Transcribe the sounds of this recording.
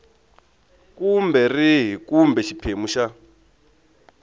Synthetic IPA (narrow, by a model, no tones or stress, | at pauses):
kumbɛriɦikumbɛʃipʰemuʃa